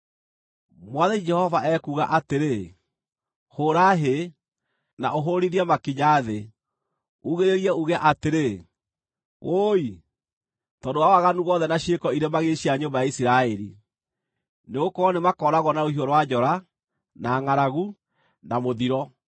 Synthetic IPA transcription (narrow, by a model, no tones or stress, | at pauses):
mwaðɛid͡ʒɛhɔvaʔɛkuɣaʔateɾe | hoɾaɦe | na̰ʔoɦoɾiɾiɛmakiɲaːðe | uɣeɾeɾiɛuɣɛʔateɾe | oi | tɔndowawaɣanuɣɔðɛnaʃekɔiɾemaɣeʃiaɲombajaisiɾaɛɾi | neɣokɔnemakɔːɾaɣɔnaɾohiɔɾwad͡ʒɔɾa | naːŋaɾaɣu | namoðiɾɔ